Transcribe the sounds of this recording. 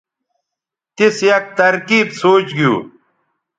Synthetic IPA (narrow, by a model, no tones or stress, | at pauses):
t̪isjɐk̚t̪ɐɾkiːbsoːt͡ɕɡijṵː